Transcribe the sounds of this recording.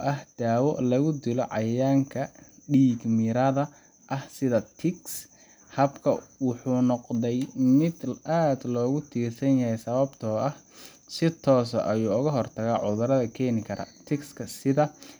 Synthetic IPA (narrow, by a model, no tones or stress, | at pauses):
ɔːʔɐhd̪̥aːwɔlɐɣʊd̪ɪlɔʕɑjaːŋkʰɐɖiːɡmɪɾɐðɐ | ʔɐhsɪðɐt̪ʰɪks | hɐbkʰɐ̰wʊħuːnɔqdɛjmɪd̪aːd̪lɔːɣʊt̪ʰiːrsɐnjɐhɛjsɐβɐbt̪ʰɔːʔɐh | sɪt̪ʰɔːsɔ̰ʔɐjuːʊɣɐɦɔrt̪ʰɐɣaʕʊðʊɾɐðɐkʰɛːnɪkʰɐɾɐ̰t̪ʰɪkskʰɐsɪðɐ